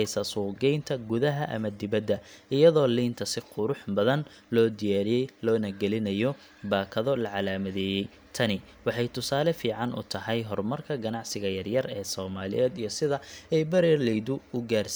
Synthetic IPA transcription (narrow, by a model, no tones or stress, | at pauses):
jsɐsuːɡɛjnt̪ʰɐɡʊðɐɦɐʔɐ̰mɐd̪ɪβɐd̪ːɐɪjɐðɔːliːnt̪ʰɐsɪqʰʊɾʊħbɐðɐn | lɔːd̪ɪjaːɾɪjɛjlɔːnɐɡɛlɪnɐjɔ | baːkʰɐðɔlɐʕɑlaːmɐðɛːjɛj | t̪ʰɐnɪ | wɑħɑjt̪ʰʊsaːlɛfiːʕɑnʔʊ̰t̪ʰɐɦɛjɦɔrmɐrkʰɐɡɐnɑʕsɪɣɐjɐrjɐrɛːsɔːmaːlɪ̰jɛːd̪ijɔsɪðɐɛjbɐɾɛrlɛjðʊʊɡaːrs